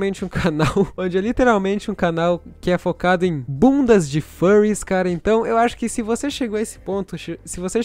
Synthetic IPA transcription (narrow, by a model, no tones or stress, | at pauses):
mẽnt͡ʃɪũkʰanawõnd͡ʒɪɛlit̪eɾawmẽnt͡ʃɪũkanawkɪɛfokad̪ʊẽj̃bũnd̪ɐzd͡ʒɪfɐɾiskaɾɐẽnt̪ɐ̃w̃ewaʃʊ̥kɪsɪvoseʃeɡowɐesɪ̥põnt̪ʊʃesɪvose